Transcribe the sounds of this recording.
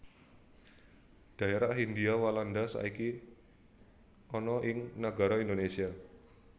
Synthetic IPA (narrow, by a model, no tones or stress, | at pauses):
d̪̥a̤eɾaʔɦind̪iawaland̪asa̰iki | ɔnɔʔɪŋnaɡa̤ɾɔind̪onesia